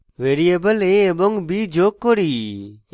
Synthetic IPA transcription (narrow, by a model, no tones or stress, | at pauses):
ʋeːɾiebəleeboŋɡbid͡ʒoːkːoɾiː